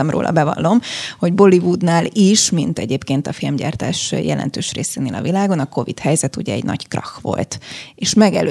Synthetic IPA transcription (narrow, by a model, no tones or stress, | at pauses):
ɒmro̰ːlʔɒ̰bɛvɒ̰lːomho̞ɟbo̞livud̪naːliʃmint̪ɛɟeːpkeːnt̪ɒfilmɟa̰ːrt̪aːʃjɛlʔɛ̰nt̪øːʃrḛːseːneːlɒ̰vilaːɡo̞nɒko̞vit̪hɛjzɛt̪ṵɟɛɛɟnɒ̰ɟkrɒxʋo̞̰lt̪eːʃmɛɡɛ̰lø